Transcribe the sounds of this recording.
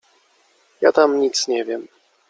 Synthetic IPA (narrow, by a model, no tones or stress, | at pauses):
ja̰t̪amɲit̪sɲɛvʲjɛm